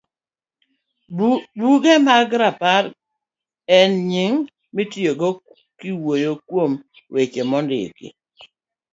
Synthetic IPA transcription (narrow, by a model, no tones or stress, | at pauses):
buɡemaɡɾapaɾ | ɛnɲɪŋ | mɪtjoɡo | kiwojokwom | wet͡ʃemɔndɪ̰kɪ̰